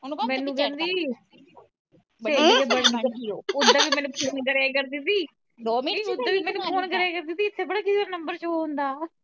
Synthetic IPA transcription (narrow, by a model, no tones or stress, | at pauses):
mɛ̃ːnũːkɛ̃ːnd̪iː | b̪eːd͡ʒebəɽnəɾioːʊd̪aːʋiːmɛ̃ːnũːpʰoːnɡəɽaːkəɾd̪isiː | ʊd̪ːaːʋiːmɛ̃ːnũːpʰoːnkəɾaːkəɾd̪ɪsiːɪt̪ʰːeːbəɽaːkɪsiʋəɾnəmbəɾt͡ʃoːɦʊ̃nd̪aː